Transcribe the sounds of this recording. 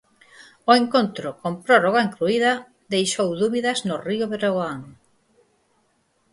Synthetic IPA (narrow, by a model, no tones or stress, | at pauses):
oeŋkont̪ɾʊkompɾoroɣaeŋkluiðɐ | ðejʃowðuβiðɐznʊriʊβeɾoɣoaŋ